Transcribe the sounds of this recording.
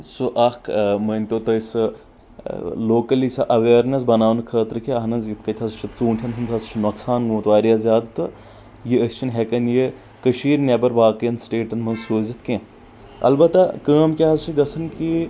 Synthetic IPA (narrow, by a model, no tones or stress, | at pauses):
suʔɐkmɐnʲt̪ot̪ɐjsɨ | loːkɐlisɐʔɐʋeːɾnɐsbɐnaːʋnkʰəːt̪ɾɨkʰʲeɐɦnɐzjit̪kɐt̪ʲʰɐzt͡ʃʰit͡suːɳʈʲʰjɐnɦunt̪ʰɐst͡ʃʰinɐksaːnɡõːt̪ʋaːɾjazʲjaːd̪t̪ɨ | jiəsʲt͡ʃʰinɦekɐnji | kəʃiːɾnʲebɐɾʋaːkjɐnsʈeːʈɐnmɐnzsuːzit̪kẽː | ɐ̰lbɐt̪ɐkəːmkʲeɦɐzt͡ʃʰiɡɐsɐnki